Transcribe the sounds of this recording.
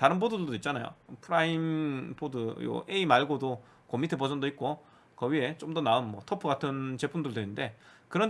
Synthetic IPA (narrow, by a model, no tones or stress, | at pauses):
taɾɯnpodudɯdoit̚t͡ɕ͈anajo̰pʰɯɾaimpodɯjo̰ʔeimaɭɡodo | komitʰepʌd͡ʑʌndoit̚k͈o | kʌɥiɦe̞t͡ɕomdʌnaɯnmwʌtʰʌpʰɯɡatʰɯnt͡ɕe̞pʰumdɯɭdwenɯnde̞kɯɾʌn